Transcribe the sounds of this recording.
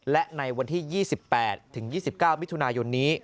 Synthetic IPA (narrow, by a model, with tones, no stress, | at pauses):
lɛ˦˥ʔna˧jwa˧nt̪ʰiː˥˩jiː˥˩si˨˩pːɛː˨˩t̪ʰːɯ˨˩˦ŋjiː˥˩si˨˩p̚kaː˥˩wmi˦˥t̪ʰu˧naː˧jo˧nːiː˦˥